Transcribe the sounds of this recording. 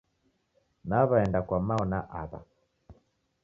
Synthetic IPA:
naβaɛndakwamaɔnaʔaða̰

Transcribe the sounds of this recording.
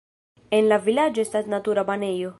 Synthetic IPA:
enlavilad͡ʒoest̪asnat̪uɾabanejo

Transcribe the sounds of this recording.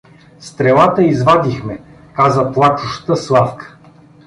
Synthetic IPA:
st̪ɾɛlˠat̪əizvad̪ixmɛ | kazəplˠat͡ʃuʃt̪əslˠafkə̥

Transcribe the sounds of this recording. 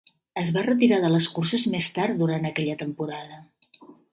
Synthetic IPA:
əzβarət̪iɾaðələskursəzmest̪aɾt̪d̪uɾant̪əkɛʎət̪əmpuɾaðə

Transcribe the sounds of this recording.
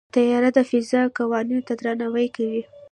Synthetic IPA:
t̪ajɑɾad̪əfɪzakawɑninot̪ad̪ɾanawəjkawi

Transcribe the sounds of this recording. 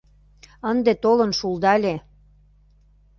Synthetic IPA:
ənd̪et̪olɤ̆nʃuld̪ɑlʲe

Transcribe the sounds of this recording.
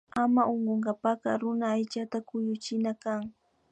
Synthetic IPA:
amaʔoɴɢoŋɢɑpaqɑ̰ɾʊnaːjt͡ʃat̪akʊjʊt͡ʃɪnakaŋ

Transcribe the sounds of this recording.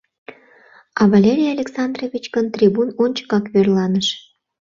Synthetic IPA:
ɑβɑlʲeɾʲijɑlʲeksɑnd̪rovʲit͡ɕkənt̪rʲibunonʲt͡ɕə̥kɑkβørlɑnəʃ

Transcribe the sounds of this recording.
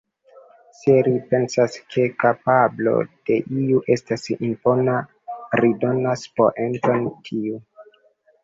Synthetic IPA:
seɾipe̞nsaskʰe̞kapablo̞̰d̥e̞ʔiuʔe̞stasḭnpo̞na | ɾido̞naspoʔe̞nto̞ntʰiu

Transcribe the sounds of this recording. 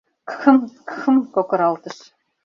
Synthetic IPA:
kxə̆mkxə̆mkokɤ̆ɾɑlˠt̪ɤ̆ʃ

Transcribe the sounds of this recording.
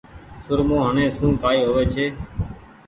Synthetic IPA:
sʊɾmõːɦəɳẽːsũːkaːiːɦoːʋeːt͡ʃʰeː

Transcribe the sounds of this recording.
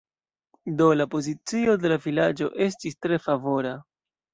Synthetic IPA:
do̞lapo̞zit͡sio̞de̞lavilad͡ʒo̞ʔe̞s̬tistɾe̞favo̞ɾa

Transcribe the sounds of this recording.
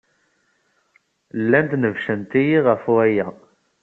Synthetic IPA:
lːænt̪nəvʃənt̪ijiʁəfwæjæ

